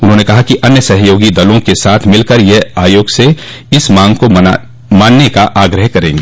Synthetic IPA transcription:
ʊnɦõːnekɐɦakiʔɐnjəsɐɦjoːɡid̪ɐlõkesaːt̪ʰmɪlkəɾjɛaːjoːɡse | ɪsmãːŋɡko | mãːnːekaʔaːɡɾəɦkɐɾẽːŋɡeː

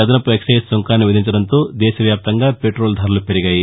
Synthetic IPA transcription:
ɐd̪ɐnɐpueksɐjssoŋkaːnːiʋid̪ʱiɲt͡ʃɐɽɐnt̪o̞ːd̪ɛːʃɐʋjaːp̚t̪ɐŋɡaːpe̞ʈɾo̞ːld̪ʱaːɾulupeɾiɡaːji

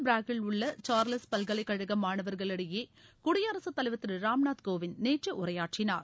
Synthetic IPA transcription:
bɾaːkɪlʊɭːɐt͡ʃaːɾlɐspɐlɡɐɭɐɪkːɐɻɐɣɐmːaːɳɐʋɐɾɣɐɭɐɽɪjeːkʊɽɪjɐːɾɐsɐt̪ːɐlɐɪʋɐt̪ːɪɾɾaːmnaːt̪koːʋɪnneːʈrɐʔʊɾɐjaːʈt͡ʃɪna̰ːɾ

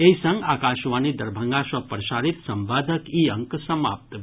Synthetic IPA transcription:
eisɐ̃ŋɡaːkaːʃʋanid̪ɐɾbʱəŋɡaswɐpɾʃaːɾit̪sɐmbaːd̪ʱəkiɐ̃ŋksɐma̰ːpp̚t̪

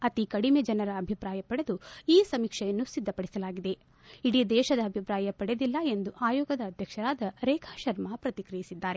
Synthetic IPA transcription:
ɐt̪ikɐɽimed͡ʒɐnɐɾɐːbʱipɾaːjɐpɐɽe̞d̪uiːsɐmikʂɐjɐnːusid̪ʱːɐpɐɽisɐlaːɡid̪e̞ | iɽid̪ɛːʃɐd̪ɐːbʱipɾaːjɐpɐɽed̪ilːɐe̞nd̪uʔaːjoːɡɐd̪ɐːd̪ʱjɐkʂɐɾaːd̪ɐɾɛːkʰaːʃɐɾmapɾɐt̪ikɾijisid̪ːaːɾe

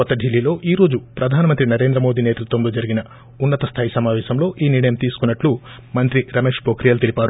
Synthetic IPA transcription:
ɔt̪ːɐɖʱilːiːlo̞ːʔiːɾo̞ːd͡ʒupɾɐd̪ʱaːnɐmɐnt̪ɾinɐɾe̞ːnd̪ɾɐmo̞ːd̪iːneːt̪ɐlut̪ombud͡ʒɐɾiɡinɐ | unːɐt̪ɐst̪ʰaːjisɐmaːʋɛːʃɐmlo̞ːʔiːniɽɐjɐmt̪iːsu̥kunːɐʈlu | mɐnt̪ɾiɾɐmeːʂpoːkɾijɐlt̪elipaːɾu

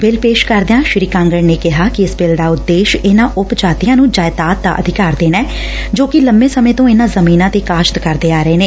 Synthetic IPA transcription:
bɪlpeːʃkəɾd̪eãːʃɾiːkãːŋɡəɾneːkɪɦaːkɪɪsbɪlɖaːʊt̪ːeːʃɪnãːʔʊpd͡ʒaːt̪ɪjãːnũːd͡ʒaːɪd̪aːt̪d̪a̰ːʔə̰d̪ʱɪkaːɾd̪eːnɛː | d͡ʒoːkɪləmbẽːsəmẽːt̪õːɪnaːzəmiːnãːt̪eːkaːʃt̪kəɾd̪eːaːɾəeːneː

